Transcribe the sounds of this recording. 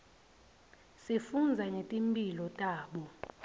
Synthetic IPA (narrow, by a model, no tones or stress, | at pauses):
sifund͡zʱaŋetʼimpʼilɔtʼaːɓɔ